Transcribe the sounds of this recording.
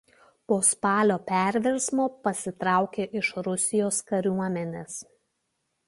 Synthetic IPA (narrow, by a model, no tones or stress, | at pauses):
poːspɑːlʲoːpʲæɾʲʋʲɛɾsmoːpɐsʲɪt̪ɾɑˑʊkʲeːʔɪʃɾʊsʲɪjoːskɐɾʲuɔmʲɛnʲeːs